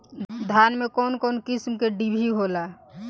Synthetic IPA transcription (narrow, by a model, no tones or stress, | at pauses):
d̪ʱaːnmẽkɔːnkɔːnkɪsmkeɖibʱiɦola